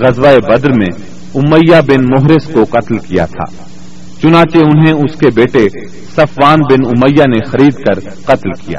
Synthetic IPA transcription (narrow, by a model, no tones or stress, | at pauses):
ɣɐzʋaebɐd̪ɾmẽ | ʊməjːabɪnmʊɦɾɪskoqɐt̪lkija̰t̪ʰa̰ː | t͡ʃʊnãːt͡ʃeʊnɦeʊskebeːʈe | sɐfʋaːnbɪnʊməjːanexɐɾiːd̪kɐɾ | qɐt̪lkija̰ː